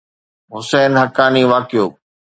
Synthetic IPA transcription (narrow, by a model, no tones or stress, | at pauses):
ɦʊsɛːnɦɐkaːniːʋaːkɪjoː